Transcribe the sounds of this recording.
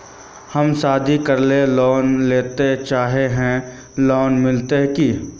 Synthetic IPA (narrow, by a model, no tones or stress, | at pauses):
hɐmsaːd̪ʱikɐɾlelɔːnleːt̪et͡ʃaːɦeɦɛ̃ | lɔːnmɪlt̪eɦkiː